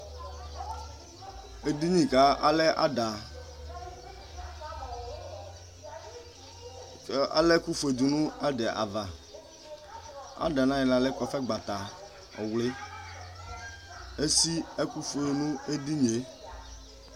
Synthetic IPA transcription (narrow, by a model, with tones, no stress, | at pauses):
e˦di˦ɲĩ˨ka˨˦a̰˦lɛ˦ʔa̰˦da˨˦ | a̰˨le˦ku˦fe˨d̪u˨nũ˦a˦ɖe˨ʔa̰˨va˨ | a̰˦da˨nã˦jɛ˨la˨lɛ˦kɔ˨fɛ˦ɡ͡ba˨t̪a˨ | ɔ̰˨wle˦ | e˦si˦e˦ku˦fe˨nũ˦e˦di˦ɲe˨˦